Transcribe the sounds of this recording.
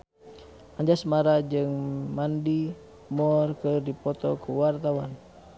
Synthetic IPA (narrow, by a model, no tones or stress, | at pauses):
aɲd͡ʒasmaɾad͡ʒɨŋmandi | mɔrkərdipɔt̪ɔkʰuwart̪awan